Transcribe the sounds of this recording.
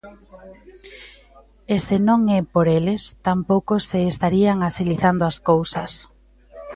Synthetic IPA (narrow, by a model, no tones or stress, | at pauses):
esenõŋɛpoɾelest̪ampowkoseːst̪aɾiaŋasiliθand̪oaskowsɐs